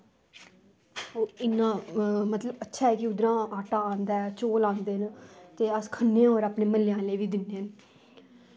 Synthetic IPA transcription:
oːɪnːãːmət̪ləbətːʃʰaːɦɛːkɪʊd̪ɾãːaːʈaːãːnd̪aːɛt͡ʃoːlãːnd̪eːɦnt̪eːəskʰənːẽːoːɾaːpneːməljãːleːʋiːd̪ɪnːeːən

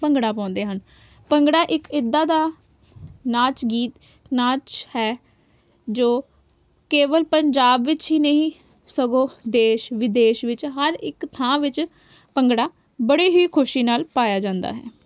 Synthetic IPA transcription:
pəŋɡɽaːpɔ̃ːnd̪eːɦən | pəŋɡɽaːʔɪkɪd̪ːaːd̪aː | naːt͡ʃɡiːt̪ | naːt͡ʃhɛː | d͡ʒoː | keːʋəlpəɲd͡ʒaːbʋɪt͡ʃɦiːnəɦĩː | səɡõːd̪eːʃʋɪd̪eːʃʋɪt͡ʃɦəɾɪkt̪ʰãːʋɪt͡ʃ | pəŋɡɽaː | bəɽeːɦiːkʰʊʃiːnaːlpaːjaːd͡ʒãːnd̪a̰ːɦɛ̰ː

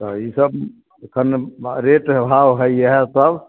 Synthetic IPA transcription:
t̪ɔisəb | ekʰənɾeʈbʱawɦəiəɦɛsəb

